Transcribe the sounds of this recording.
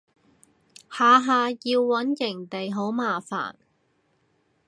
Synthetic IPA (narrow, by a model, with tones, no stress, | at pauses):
haː˨˧ɦaː˨˧jiː˧wːɐ˨˥njɪ˨˩ŋt̪e˨jɦo˨˥wmaː˨fa̰ː˨˩n